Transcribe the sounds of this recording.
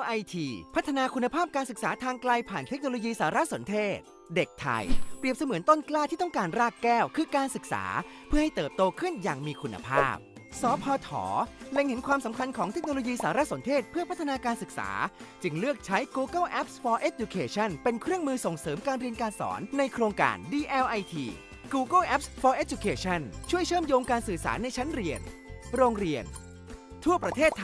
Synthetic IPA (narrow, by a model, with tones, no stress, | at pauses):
ʔa˧jt̪ʰiː˧pʰa˦˥t̪ʰːa˧naː˧kʰu˧nːa˧pʰaː˥˩p̚kaː˧nsɯ˨k̚saː˩˦t̪ʰaː˧ŋklaː˧jpʰaː˨˩nt̪ʰe˦˥k̚noː˧loː˧jiː˧saː˩˦ɾa˦˥so˩˦nt̪ʰeː˥˩t̪̚ | de˨˩k̚t̪ʰa̰˧jpɾi˨˩əp̚sa˧mɯ˨˩˦ənt̪o˥˩nklaː˥˩t̪ʰiː˥˩t̪ɔ˥˩ŋkaː˧nɾaː˥˩kːɛː˥˩wkʰɯː˧kaː˧nsɯ˨k̚sa̰ː˩˦pʰɯ˥˩ɐha˥˩jt̪ɤː˨˩p̚t̪oː˧kʰɯ˥˩njaː˨˩ŋmiː˧kʰu˧nːa̰˧pʰa̰ː˥˩p̚ | sɔː˩˦pʰɔː˧t̪ʰɔ̰ː˩˦le˧ŋhe˩˦nkʰwaː˧msa˩˦mkʰa˧nkʰɔː˩˦ŋʰe˦˥k̚noː˧loː˧jiː˧saː˩˦ɾa˦˥so˩˦nt̪ʰeː˥˩t̪̚pʰɯ˥˩ɐpʰa˦˥t̪ʰːa˧naː˧kaː˧nsɯ˨˩k̚sa̰ː˩˦t͡ɕɯ˧ŋlɯ˥˩ək̚t͡ɕʰa˦˥jkuː˧ka˥˩wʔɛ˦˥p̚sfɔː˧ʔe˦˥t̪̚d͡ʑu˧kʰeː˧t͡ɕʰa˥˩npe˧nkʰɾɯ˥˩əŋmɯː˧so˨˩ŋsɤː˩˦mkaː˧nɾi˧ənkaː˧nsɔ̰ː˩˦nːa˧jkʰɾoː˧ŋka̰ː˧ndiː˧ʔɛː˧wʔa˧jt̪ʰiː˧ | kuː˧ka˥˩ʔɛ˦˥p̚sfɔː˧ʔeː˦˥t̪̚ju˧kʰeː˧t͡ɕʰa˥˩nt͡ɕʰu˥˩əjt͡ɕʰɤː˥˩mjoː˧ŋkaː˧nsɯː˨˩sa̰ː˩˦na˧jt͡ɕʰa˦˥nɾi˧ənɾoː˧ŋɾi˧ən | t̪ʰu˥˩ɐpɾa˧t̪ʰeː˥˩t̪ʰː